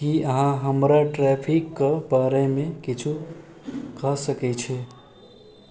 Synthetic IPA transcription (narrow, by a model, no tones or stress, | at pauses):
kiəɦãɦəmɾaʈɾɛpʰikːəbaɾemẽkit͡ʃʰu | kəsəkɛt͡ʃʰɛ